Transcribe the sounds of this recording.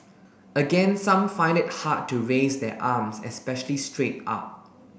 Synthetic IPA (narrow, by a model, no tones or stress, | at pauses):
əɡɛ̃nsãmfãɪ̃ndɪt̚hatːuɹesdɛ̰ʔamsɛ̰spɛʃəlistɹet̚a̰p̚